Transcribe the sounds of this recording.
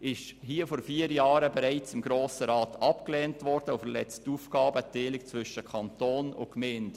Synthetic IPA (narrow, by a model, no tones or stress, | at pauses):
ɪʃhiːəfɔɾfiːəɾjɑːɾəbɛɾaɪt͡sɪmɡɾoːsəɾɑːtɑpklɛːntvɔɾd̥əʊfəɾlɛ̰t͡stuːfɡ̥ɑːbəteːlɪkt͡svʏʃəkʰɑntoːnʊ̰kmɛːnd